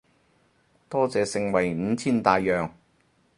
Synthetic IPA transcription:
t̪ɔː˥t͡sɛː˨sɪ˧ŋwɐ˨˩jm̩˨˧t͡sʰiː˥nt̪aː˨˧jːœː˨ŋ

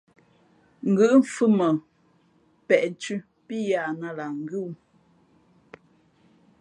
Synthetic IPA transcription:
ŋ̩˨ɡɨ˦ʔm̩˦˨fɨ˦mə˨ | pɛ˨ʔn˨tʉ˦ | pi˦ja˨na˦la˨ŋ̩˦ɡʉ˦

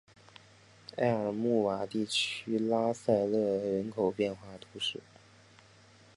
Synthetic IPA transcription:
a˥˩ɪə˞˨˩mu˥˩wa˨˩t̪i˥˩t͡ɕʰy˥la˥sa˥˧ɪlɤ˥˩ɻə˧˥nkʰo˨˩ʊpjɛ˥˧nxwa˥˩t̪ʰu˧˥ʂɻ̩˥˩

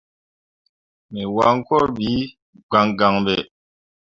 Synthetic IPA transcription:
mɛ˨wa˨˦ŋ̩˦kɔ˦ɾbi˨˦ | ɡ͡ba˨ŋɡa˨ŋbɛ˨

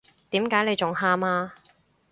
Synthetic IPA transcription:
t̪iː˨˥mkaː˨˥jne˨˧jt͡ʃʊ˨ŋhaː˧maː˧

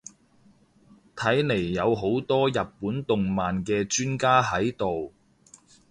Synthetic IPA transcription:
t̪ʰɐ˨˥jne˨˩jːɐ˨˧wɦo˨˥wt̪ɔː˥jɐ˨p̚puː˨˥nt̪ʊ˨ŋmaː˨nkɛː˧t͡ʃyː˥nkaː˥ɦɐ˨˥jt̪o˨w

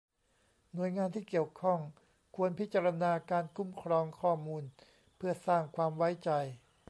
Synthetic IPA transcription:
nu˨˩əjŋaː˧nt̪ʰiː˥˩ki˨˩əwkʰɔ˥˩ŋ | kʰu˧ənpʰi˦˥t̪̚t͡ɕa˧ɾa˧naː˧kaː˧nkʰu˧˥˩mkʰɾɔː˧ŋkʰɔː˥˩muː˧n | pʰɯ˥˩ɐsaː˥˩ŋkʰwaː˧mwa˦˥jt͡ɕa˧j

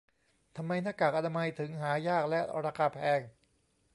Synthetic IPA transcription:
t̪ʰa˧mːa˧jna˦˥˩kːaː˨˩k̚ʔa˧na˧ma˧jt̪ʰɯ˩˦ŋɦaː˩˦jaː˥˩k̚lɛ˦˥ʔɾa˧kʰaː˧pʰɛː˧ŋ

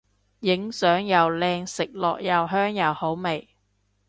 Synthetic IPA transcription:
jɪ˨˥ŋsœː˨˥ŋjɐ˨wlɛː˧ŋsɪ˨k̚lɔ̰ː˨k̚jɐ˨wɦœː˥ŋjɐ˨who˨˥wme˨˩j

